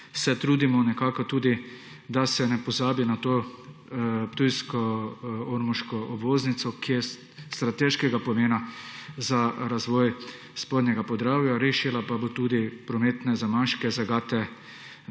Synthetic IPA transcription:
sɛt̪ɾuːd̪imɔnɛkaːkɔt̪uːd̪i | d̪asɛnɛpɔzaːbinat̪oː | pt̪ujskɔoɾmuʃkɔʔɔbʋoːznit̪sɔkiɛ | st̪ɾat̪eʃkɛɡapɔmeːnazaɾazʋɔːj | spod̪njɛɡapɔɾaːwjaɾeːʃilapabot̪uːd̪ipɾɔmeːt̪nɛzamaʃkɛzaɡaːt̪ɛ

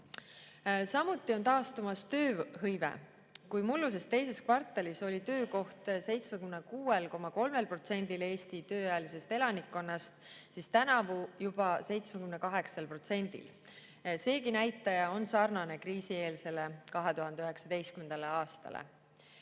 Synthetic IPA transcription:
sɑmut̪ːˑio̞nt̪ɑːst̪umɑst̪ø̞ːɦɤjvḛ | kujmulːus̬e̞st̪e̞jse̞skvɑrt̪ːˑeliso̞lʲit̪ø̞ːko̞ht̪se̞jt̪smekymnekuːelko̞mɑko̞lme̞lpro̞t̪se̞nd̪ile̞ːst̪it̪ø̞ːɑjɑlise̞st̪e̞lɑnikːo̞nːɑst̪sist̪ænɑvujubɑse̞jt̪smekymnekɑɦe̞ksɑlpro̞t̪se̞nʲd̪̥ḭl | se̞ːkinæjt̪ːˑɑjɑo̞nsɑrnɑne̞kɾiːsie̞ːlse̞lekɑɦe̞t̪uɦɑnd̪eyɦe̞ksɑd̪e̞jst̪̚kymend̪ɑleɑːst̪ɑ̰lḛ

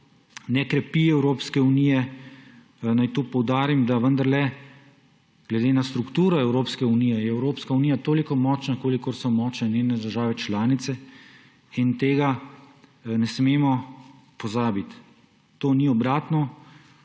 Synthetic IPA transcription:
nɛkɾɛpiɛwɾoːpskɛunijɛ | najt̪oːpɔwd̪aːɾimd̪aʋənd̪aɾlɛ | ɡ̥lɛd̪eːnast̪ɾukt̪uːɾɔɛwɾoːpskɛunijɛjɛɛwɾoːpskaunijat̪oːlikɔmɔːt͡ʃnakoːlikɔɾsɔmɔːt͡ʃnɛneːnɛd̪əɾʒaːʋɛt͡ʃlaːnit̪sɛ | int̪eːɡa | nɛsmeːmɔ | pɔzaːbit̪ː | oːniɔbɾaːt̪nɔ

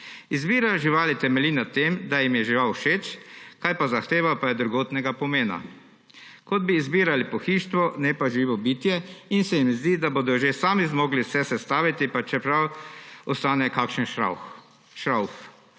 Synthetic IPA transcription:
izbiːɾaʒiʋaːlit̪ɛmɛlinat̪ːemd̪ajimjɛʒiʋawʃeːt͡ʃkajpazaxt̪eːʋapajɛd̪ɾuɡoːt̪nɛɡapɔmeːna̰ | kɔd̪̚biːzbiːɾalipɔxiːʃt̪ʋɔnɛpaʒiːʋɔbiːt̪jɛinsɛjimzd̪iːd̪aboːd̪ɔʒesaːmizmoːɡlisɛsɛst̪aːʋit̪ipat͡ʃɛpɾawɔst̪aːnɛkaːkʃənʃa | ʃɾawf

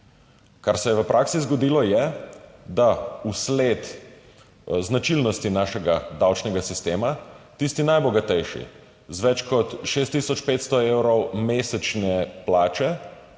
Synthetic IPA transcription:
kaɾsɛjɛʋəpɾʔaːksizɡɔd̪iːlɔjɛd̪auslet̪ | znat͡ʃilnɔst̪inaːʃɛɡad̪awt͡ʃnɛɡasist̪eːmat̪ist̪inajbɔɡat̪ɛjʃḭ | zʋɛt͡ʃkɔt̪ʃeːst̪ːisɔt͡ʃpeːt̪st̪ɔewɾɔwmeːsɛt͡ʃnɛplaːt͡ʃɛ

